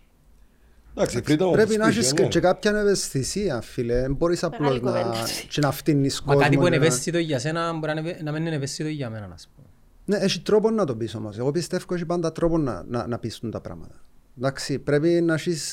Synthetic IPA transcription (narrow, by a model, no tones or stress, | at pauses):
d̪aksifɾit̪ɐpɾepinaʃ̬ist͡ʃːekap̚çɐnevest̪isiɐfːilemboɾisaploznɐt͡ʃinaft̪inːiskɐoat̪iunevest̪it̪oiʝːɐsenɐmboɾianɐmenːenevest̪it̪oiʝːɐmenɐnɐ̰spo | neeʃit̪ɾoponːɐt̪obisomoseɣopist̪efkoeʃ̬ipand̪ɐt̪ɾoponːɐ̰na̰nɐpist̪unt̪ɐpɾa̰mɐ̰t̪ɐ̥d̪aksipɾepinaʃis